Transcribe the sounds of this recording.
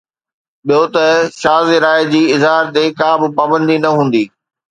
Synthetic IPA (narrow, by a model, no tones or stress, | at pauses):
ɓijot̪ɐʃaːzeɾaːɪd͡ʑiːɪzɦaːɾt̪eːkãːbɪ̆paːbə̃nd̪inɐɦũːn̆d̪iː